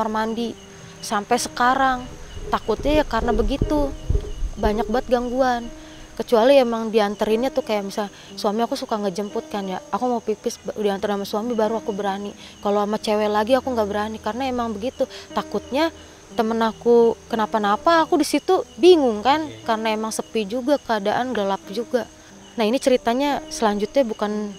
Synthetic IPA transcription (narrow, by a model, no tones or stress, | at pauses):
marmandi | sampejsə̥kaɾaŋt̪akʊt̪̚ɲajakaɾənabəɡit̪u | baɲak̚baət̪̚ɡaŋɡuan | kət͡ʃualiemaŋdiant̪əɾɪnɲat̪ʊkajaʔmisa | suamiakusukaŋɡəd͡ʒəmpʊt̪̚kanjaːkumaupipɪsbdiant̪əɾɪnamasuamibaɾuakubəɾanikaloamat͡ʃewɛlaɡiakuŋɡabəɾanikarənaemaŋbəɡit̪ut̪akʊt̪̚ɲa | t̪əmənakukənapanapaːkudisit̪ubiŋʊŋkankaɾənaemaŋsəpid͡ʒuɡakəadaʔanɡalap̚d͡ʒuɡa | nainit͡ʃəɾit̪aɲasəlaɲd͡ʒʊt̪̚ɲabukan